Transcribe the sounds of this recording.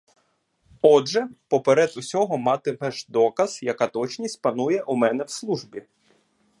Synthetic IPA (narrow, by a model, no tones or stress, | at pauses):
ɔdʒɛpɔpeɾɛd̪ʊsʲɔɦɔmɑt̪ɪmɛʒd̪ɔkɐz̥jɐkɑt̪ɔt͡ʃnʲisʲt̚ʲpɐnujɛʔumɛn̪ɛwslˠuʒbʲi